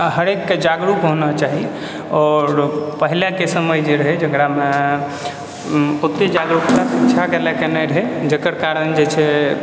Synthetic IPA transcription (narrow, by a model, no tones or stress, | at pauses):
ɦəɾekːd͡ʒaɡɾukɦõnat͡ʃaɦi | ɔɾpəɦilakesəməjd͡ʒeɾəɦɛd͡ʒəkɾame | ot̪ed͡ʒaɡɾukt̪asit͡ʃʰakelakenɛɾəɦɛd͡ʒəkəɾkaɾənd͡ʒet͡ʃʰɛ